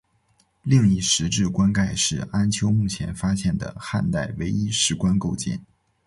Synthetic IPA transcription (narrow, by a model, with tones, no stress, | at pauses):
li˥˧ŋi˥˩ʂɻ̩˧˥ʈ͡ʂɻ̩˥˩kwa˥nka˥˧ɪʂɻ̩˥˩a˥nt͡ɕʰjo˧˥ʊmu˥˩t͡ɕʰjɛ˧˥nfa˥ɕjɛ˥˩nd̪ə̰˩xa̰˥˧nt̪a˥˩ɪwe˧˥ɪi˥ʂɻ̩˧˥kwa˥nko˥˧ʊt͡ɕjɛ̰˥˩n